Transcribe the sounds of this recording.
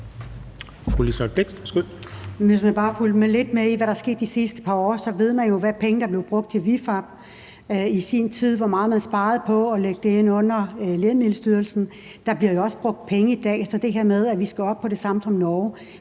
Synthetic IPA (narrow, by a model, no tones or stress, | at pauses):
fʁulisɒb̥leɡ̥ssɡ̥ulʋe̝s̬mænb̥ɑ̈ːfuld̥mele̝d̥meiʋæɾɑ̈sɡ̥e̝ːd̥isisd̥ə̥pʰɑ̈ɒ̰ːsɒ̽ʋe̝ð̞̰ˠmænjo̝ʋæpʰeŋəd̥ɑ̈b̥le̝ʊb̥ʁɔ̽ɡ̥̚d̥t͡sʰeʋifɑ̈b̥̚ | isint͡sʰið̞̰ˠʋɒmɑ̈ːðˠmænsb̥ɑ̈ːð̞̩ˠpʰɒ̽ɒ̽leɡ̥̚d̥eenɔ̽n̰ɐlemiləsd̥yːɐl̩sn̩ | d̥ɑ̈b̥liɐjo̝ɒ̽səb̥ʁɔ̽ɡ̥̚d̥̚pʰeŋəid̥ɛ̰ːefsɒd̥e̝ɦeɐmeð̞ˠæʋisɡ̥æɒ̽b̥̚pʰːɒ̽ɾ̥e̝sɑ̈mt͡sʰɒ̽mnɒː